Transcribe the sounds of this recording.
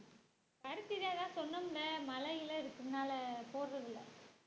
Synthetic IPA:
pɐɾɯt̪ːɪðjaːðãːsɔnːɐmlɐmɐlɐjɪlɐɪɾɯkːɯmnaːlɐpoːɾrɐðɯlːɐ̰

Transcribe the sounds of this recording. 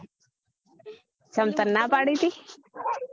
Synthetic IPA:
t͡ʃɐmt̪ɐnːapaɽit̪i

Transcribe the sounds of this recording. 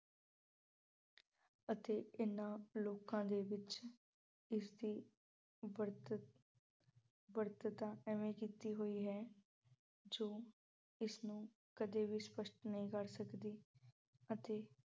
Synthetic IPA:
ət̪eːɪnːãːloːkãːd̪eːʋɪt͡ʃ | ɪsd̪iː | ɾ | bəɾt̪ət̪aːɛmẽːkiːt̪iːɦoːiːɦɛː | d͡ʒoː | ɪsnũː | kəd̪eːʋiːspəʃʈnəɦĩːkəɾsəkd̪iː | ət̪eː

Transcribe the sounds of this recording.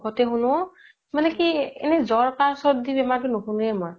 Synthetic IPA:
ɡɔtɛɦunɔ | manɛkiɛ̰nɛzɔɹkaɹsɔdibɛmak̬inokʰunɛmaɹ

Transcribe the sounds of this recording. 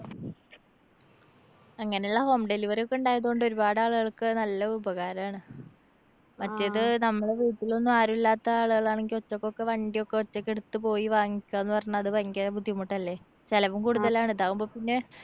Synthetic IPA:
ɐŋːɐneuɭːɐho̞ːmɖeliʋɐɾjokːeuɳɖaːjɐðuɣoɳɖo̞ɾubaːɽaːɭuɣɐɭkɨnɐlːɐubɐɣaːɾɐmaːɳɨ | mɐtːeðɨnɐmːɐɭe̞ʋiːʈːilo̞nːumaːɾumilːaːt̪ːɐaːɭuɣɐɭaːɳeŋɡiot͡ɕːokːo̞kːe̞ʋɐɳɖijokːe̞ot͡ɕːɐkːeɽut̪ːɨpo̞ːjiʋaːŋːikʲːaːenːɨpɐrɐɲːɐɐðɨpɐŋɡɐbud̪ʱjɐmːoʈːɐlːe̞ː | t͡ɕelɐʋumkuɽut̪ːɐlaːɳeðaːɣumbo̞ːpinːe̞

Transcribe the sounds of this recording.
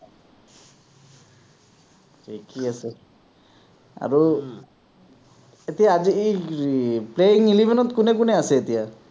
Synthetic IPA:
tʰikʰiasɛ | a̰ɹu | etijaːzi | pleiŋilibʱɛnɔtkʊnɛkʊnɛasɛːtija

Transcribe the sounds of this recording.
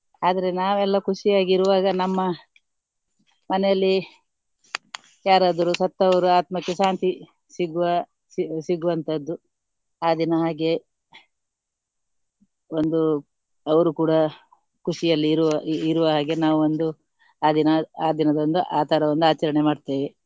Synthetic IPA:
aːd̪ɐɾe̞naːʋɛlːɐkʰuʂijaːɡiɾuʋaːɡɐnɐmːɐ | mɐnɛjɐlːi | jaːɾaːd̪ɐɾusɐt̪ːɐʋɐɾuaːt̪mɐkːeʃaːnt̪i | siɡuʋɐ | ssiɡːuʋɐnt̪ʰɐd̪ːu | aːd̪inɐɦaːɡe̞ | o̞nd̪u | ɐʋɐɾukuːɽɐ | kʰuʂijɐlːiɾuiɾuʋɐɦaːɡe̞naːʋuond̪u | aːd̪inɐaːd̪inɐd̪ond̪uʔaːt̪ʰɐɾɐʋond̪uaːt͡ʃɐɾɐɳemaːɖt̪eːʋe

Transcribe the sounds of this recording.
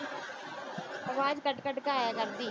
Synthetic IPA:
ɐʋaːd͡ʒkəʈkəʈkaːɦɛːɡəɾd̪iː

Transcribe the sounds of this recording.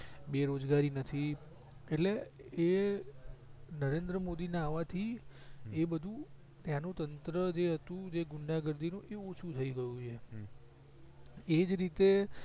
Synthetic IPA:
beɾod͡ʒɡaɾinət̪ʰi | eʈlee | nəɾend̪ɾəmod̪ineaʋat̪ʰi | ebəd̪ʱũ | t̪janũt̪ənt̪ɾəd͡ʒeɦət̪ũd͡ʒeɡʊɳɖaɡəɾd̪ʱinũʔeot͡ʃʰũt̪ʰəiɡəjũt͡ʃʰe | ed͡ʒɾit̪e

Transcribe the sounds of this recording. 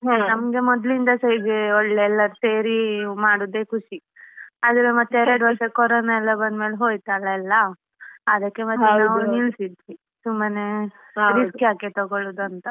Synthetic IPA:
ɦenɐmɡe̞mɔd̪lind̪ɐsɐjd͡ʒeɔɭːeːlːɐɾuseːɾimaːɽud̪eːkʰuʂi | ɐd̪ɾemɐt̪ːeɛɾɐɖʋɐɾsɐkɔɾoːnaɛlːɐbɐnd̪meːlɦoːjt̪aːlɐɛlːɐː | d̪ɐkːemɐt̪ːenaːʋuniɭsid̪ʋi | t̪umbɐne | ɾiskjaːket̪ɔɡoɭud̪uɐnt̪ɐ

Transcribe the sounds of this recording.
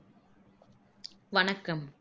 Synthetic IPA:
ʋɐnɐkːɐm

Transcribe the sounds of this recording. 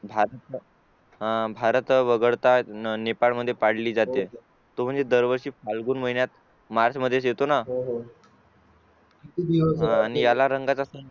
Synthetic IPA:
bʱaɾət̪ | bʱaɾət̪ʋəɡəɭt̪anepaɭməd̪ʱːjepaɽ̤liːd͡zat̪e | t̪om̤əɳnd͡zed̪əɾʋəɾɕiːfalɡuːnməɦinjat̪ | maɾt͡ɕməd̪ʱːjeset̪onaɦ | it̪id̪iʋəɦãːñijalaɾəŋɡat͡sasə

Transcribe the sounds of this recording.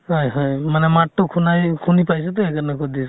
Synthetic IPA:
hɔjɦɔjmanɛmaʈːɔkʰunajkʰunipajs̬ɛt̪ɔɛkanɛkɔd̪is

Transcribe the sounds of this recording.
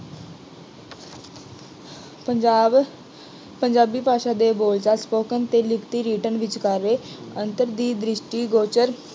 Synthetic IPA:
pəɲd͡ʒaːbiːpaːʃad̪eːboːlt͡ʃaːspoːkənt̪eːlɪkʰt̪iːɾiːʈənʋɪt͡ʃkaɾeːə̃nt̪əɾd̪iːd̪ɾɪʃʈiːɡoːt͡ʃəɾ

